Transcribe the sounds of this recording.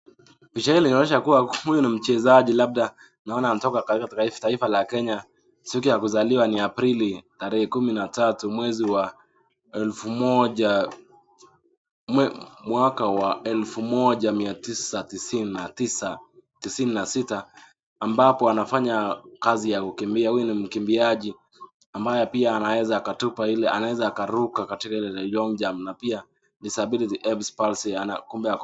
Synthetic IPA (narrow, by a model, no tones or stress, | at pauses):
piʃailinaɔnɛʃakuwahujɔnim̩t͡ʃɛzaʄilaɓ̚ɗa | naɔnanatɔkakakataitaifalakɛɲa | sikijakuzaliwaniapɾilitaɾɛhɛkuminatatumwɛziwa | ɛlfumɔʄa | mwakawaʔɛlfumɔʄamiatisatisinnatisatisininasitaː | mbapɔanafaɲakazijakukimbiahujunim̩kimbiaʄi | ambajɛpiaːnawɛzaːkatupailɛʔa̰nawɛzaːkaɾukakatikailɛlɔŋd͡ʒamnapia | disabilitiʔɛbspalsianakumbɛa